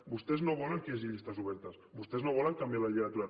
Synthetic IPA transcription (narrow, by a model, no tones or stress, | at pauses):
bust̪eznoβɔleŋkeziʎist̪asuβ̞ɛɾt̪asbust̪eznoβɔlaŋkambjalaʎiat̪uɾa